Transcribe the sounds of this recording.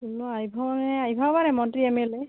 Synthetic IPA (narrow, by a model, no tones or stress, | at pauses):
unuajbʱabnɛajbʱabanɛmɔntɹiɛmɛle